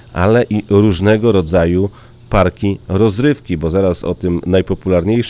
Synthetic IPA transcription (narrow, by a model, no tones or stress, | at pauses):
ʔa̰lɛʔiɾuʐnɛɡɔɾɔd̪zaju | paɾkʲiɾɔzɾɘfkʲibɔzaɾasɔ̰t̪ɘmnajpɔpulaɾɲejʂ